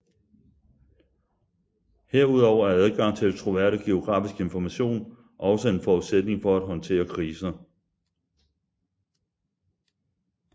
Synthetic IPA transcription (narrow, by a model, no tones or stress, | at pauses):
heɐ̰uð̞̰ˠɒʊ̰ɐæɐæð̞ˠɡ̥ɑ̈ŋ̰t͡sʰe̝lt͡sʰʁo̝ʋæɐ̰ɾ̥əɡ̥e̝o̝ɡ̥ʁɑ̰̈ːfisɡ̥e̝nfɒmæɕo̝̰ːn | ʔɒ̽səe̝nfɒuðˠsed̥ne̝ŋfɒ̽æd̥ɦɒ̽nt͡sʰe̝̰ːɐkʰʁiːsɐ